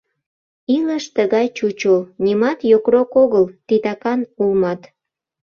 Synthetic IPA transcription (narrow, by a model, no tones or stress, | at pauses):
iləʃt̪əɣɑjt͡ɕut͡ɕonʲimɑt̪jokrokoɣəlt̪it̪ɑkɑnulmɑt̪